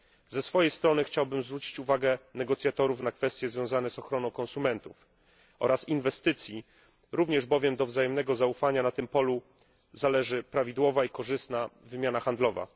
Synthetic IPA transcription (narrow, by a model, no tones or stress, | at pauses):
zɛsfɔjɛjst̪ɾɔnɘxt͡ɕawbɘmzvɾut͡ɕi̥t͡ɕuvaɡɛnɛɡɔt̪sʲjat̪ɔɾufnakfɛst̪jɛzvʲjɔ̃w̃zanɛzɔxɾɔnɔ̃w̃kɔnsumɛnt̪uf | ʔɔ̰ɾasinvɛst̪ɘt̪sʲji | ɾuvɲɛʐbɔvʲjɛmd̪ɔvzajɛmnɛɡɔzaufaɲanat̪ɘmpɔlu | zalɛʐɘpɾavʲid̪wɔvaikɔʐɘst̪navːɘmʲjanaxand̪lɔva̰